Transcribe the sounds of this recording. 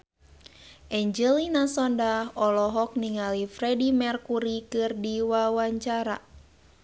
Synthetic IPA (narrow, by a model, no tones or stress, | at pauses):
ʔɛɲd͡ʒɛlinasɔndahɔlɔɦɔk̚niŋalifrɛdimɛrkuɾikɨrdiwawaɲt͡ʃaɾa̰